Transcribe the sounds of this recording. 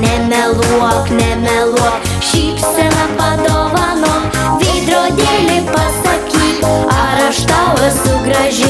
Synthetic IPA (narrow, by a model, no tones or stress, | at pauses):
nʲɛmʲɛlˠuɔknʲɛmʲɛlˠuɔk | ʃʲiːpʲsʲɛnɐpɐd̪oʋɑnoː | ʋʲiːd̪ɾoːd̪ʲeːlʲɪpɐsɐkʲiːpɑɾɐʃt̪aɐsʊɡɾɐʒʲɪ